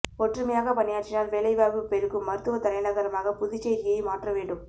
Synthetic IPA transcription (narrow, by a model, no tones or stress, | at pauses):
ɔʈrɯmɐjaːɣɐpɐnːɪjaːʈt͡ʃɪnaːlʋeːɭɐɪʋaːʋɯpɛɾɯkːɯmːɐɾɯt̪ːɯʋɐt̪ɐɾɐɪnɐɣɐɾɐmaːɣɐpʊðɪt͡ʃːeɪɣɪjɐɪmaːʈrɐʋeːɳɖɯm